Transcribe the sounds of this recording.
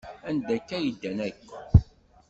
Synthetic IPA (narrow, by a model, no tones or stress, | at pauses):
ænd̪ækːæjəd̪ːænækː